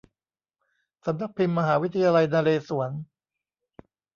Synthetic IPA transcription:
sa˩˦mna˦˥k̚pʰi˧mːa˧ɦaː˩˦wi˦˥t̪ʰːa˧jaː˧la˧jnaː˧leː˧su˩˦ɐn

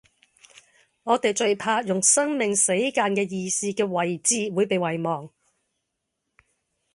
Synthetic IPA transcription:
ŋɔː˨˧t̪e˨jt͡ʃɵ˧ɥpʰaː˧jʊ˨˩ŋsɐ˥ŋmɪ˨˩ŋse˨˥jkaː˧nkɛː˧jiː˧siː˥kɛː˧wɐ˨˩jt͡siː˧wuː˨˧jpe˨˧jwɐ˨jmɔː˨ŋ

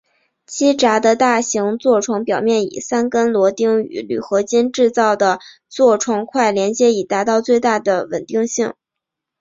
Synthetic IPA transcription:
t͡ɕʰi˥ʈ͡ʂa˧˥d̪ə˧t̪a˥˩ɕi˧˥ŋt͡swɔ˥˩ʈ͡ʂʰwɑ˧˥ŋpjɑ˨˩ʊmjɛ˥˩nḭ˨˩sa˥nkə˥nlwɔ˧˥t̪i˥ŋy̰˧˥ly̰˨˩xɤ˧˥t͡ɕi˥nʈ͡ʂɻ̩˥˧t͡sɑ˥˩ʊd̪ə˩ | t͡swɔ˥˩ʈ͡ʂʰwɑ˧˥ŋkʰwa˥˩ɪljɛ˧˥nt͡ɕjɛ˧˥i˨˩t̪a˧˥t̪ɑ˥˧ʊt͡swe˥˧ɪt̪a˥˩d̪ə˩wə̰˨˩nt̪i˥˧ŋɕi˥˩ŋ

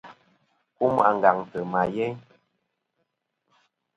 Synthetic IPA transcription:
ku˦m˦a˨ŋ˨ɡa˨ŋtə˨ma˨jɛ˦ɲ

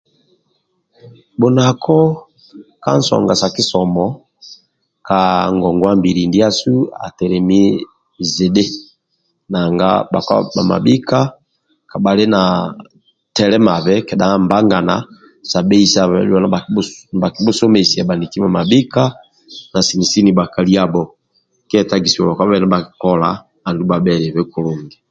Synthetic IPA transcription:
bo˨na˨kʰɔ˦ | ka̰˦n̩˦sɔ̰˨ŋɡa̰˨sa˨ki˦sɔ˨mɔ˨˦ | ka˨ŋɡɔ˨ŋɡwa˦mbi˨ɾi˨ndi˦a˦su˦a̰˨tɛ˨ɾɛ˨mi˦ | ze˨de˦ | na˨ŋɡa̰˦ba̰˨ka̰˦ba̰˨ma̰˨bi˦ka˦ | ka˨ba˨le˦na˨ | tɛ˨lɛ˦ma˨βɛ˦kɛ˨da˨˦mba˦ŋɡa˨na̰˨ | sa˨bɛ˦i˦sa˦˨ɛ̰˨da˦na˨a˨ba˨ki˨˦bɔ˦sɔ˦mɛ˨si˨a˨ba˨ndi˨ki˦ma˨ma˨bi˦ka˦ | na˨si˨ni˨si˦ni˨ba˨ka˨li˦a˦bɔ˨ | kɛ˦ɛ˦˨ta˦ɡi˨si˨ɔ˨lɔ˨ka˦ba˦βɛ˦na˦ba˨ki˨kɔ˦laː˨ | ndu˦ba˨bɛ˨ɾɛ˨βɛ˦ku˨lu˨ŋɡɛ˨

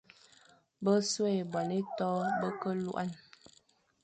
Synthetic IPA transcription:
bə˦se˦˨bɔ˨ne˦tɔ˦bə˦kə˦lṵ˦ʔa˦˨n

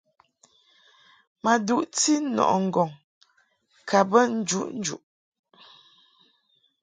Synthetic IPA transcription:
ma˨du˦˨ʔti˦nɔ̰˨ʔɔ˨ŋ̩˨ɡɔ˨ŋ | kʰa˨bə˦n̩˦d͡ʒu˦ʔn̩˦d͡ʒṵ˨ʔ

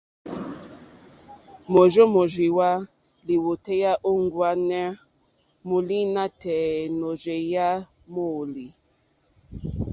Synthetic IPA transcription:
mo˨ʒo˦mo˨ʒwi˨wa˦ | li˨wo˨tɛ˦ja˦ʔo˦ŋ˦ɡwa˦nɛ˦ | mo˨li˦na˦tɛ˨no˨d͡ʒe˨ja˦ | mo˦˨li˨

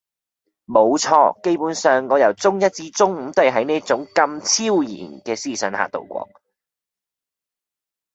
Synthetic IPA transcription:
mo˨˧wt͡sʰɔ̰ː˧ke˥jpuː˨˥nsœː˨ŋːɔː˨˧jɐ˨˩wt͡sʊ˥ŋjɐ˥t̚t͡siː˧t͡sʊ˥ŋm̩˨˥t̪o˥ɐ˨˩ɦɐ˨˥jniː˥t͡sʊ˨˥ŋkɐ˧mt͡sʰiː˥wjḭː˨˩nkɛː˧siː˥˩sœː˨˥nha̰ː˨t̪o̰˨˩wkʷɔ̰ː˨˥ŋ̚

